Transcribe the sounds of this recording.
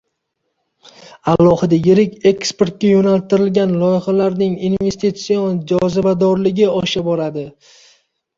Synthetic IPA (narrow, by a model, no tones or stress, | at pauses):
alˠːɒhɨd̪ajɪɾɪkʲe̞kspe̞ɾt̪̚kʲajonalt̪ɪɾɪlɡʲanlˠɒjɪχalaɾnɪŋinve̞st̪it̪sijond͡ʒɒzɪbad̪ɒɾlɪɡʲɪɒʃabɒɾad̪ɪ